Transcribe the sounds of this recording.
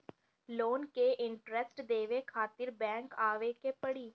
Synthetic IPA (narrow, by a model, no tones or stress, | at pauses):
loːnkeʔɪɳʈɾɛsʈd̪eːʋekʰaːt̪ɪɾbɛ̃ːŋkaːʋekeːpəɽiː